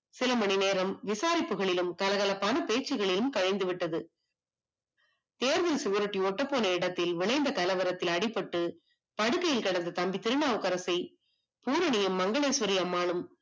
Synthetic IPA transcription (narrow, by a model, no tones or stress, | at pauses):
sɪlɐmɐnɪneːɾɐmʋɪsaːɾɪpːɯɣɐɭɪlɯmkɐlɐɣɐlɐpɐnɐpeːt͡ʃːɯɣɐɭɪlɯmkɐɻɐɪnd̪ɯʋɪʈːɐðɯ | t̪eːɾðɐlsɪɣɐɾɯʈːiɔʈːɐpːoːnɐɪɽɐt̪ːɪlʋɪɭɐɪnd̪ɐkɐlɐʋɐɾɐt̪ːɪlɐɽɪpːɐʈːɯ | pɐɽɯkːɐjɪlkɐɽɐnd̪ɐt̪ɐmbit̪ːɪɾɯɳaːʋɯkːɐɾɐsɐɪ | puːɾɐɳɪjɐmːɐŋɡɐɭeːsʋɐɾiɐmːaːnɯm